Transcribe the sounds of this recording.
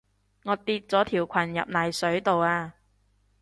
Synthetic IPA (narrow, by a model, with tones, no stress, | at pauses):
ŋɔː˨˧t̪iː˧t̚t͡sɔː˨˥t̪ʰiː˨˩wkʷʰɐ˨˩njɐ̰˨p̚naː˨jsɵ˨˥ɥt̪o˨waː˧